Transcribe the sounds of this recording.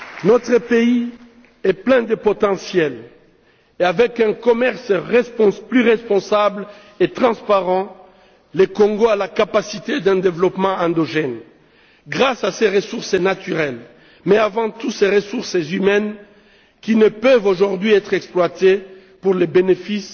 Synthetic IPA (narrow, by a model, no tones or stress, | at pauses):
nɔt̪χəpei | ɛplɛ̃d̪əpɔt̪ɑ̃sjɛl | eavɛkɛ̃kɔmɛʁsʁɛspɔ̃plyʁɛspɔ̃sabl | et̪χɑ̃spaʁɑ̃ | lekɔ̃ŋɡoalakapasit̪ed̪ɛ̃d̪evlɔpmɑ̃ɛ̃d̪ɔʒɛn | ɡʁasaseʁəsuʁsənat̪yʁɛl | mɛavɑ̃t̪useʁəsuʁsəzymɛn | kʲinəpøvoʒuʁd̪ɥiɛt̪χɛksplwat̪e | puʁlebenefis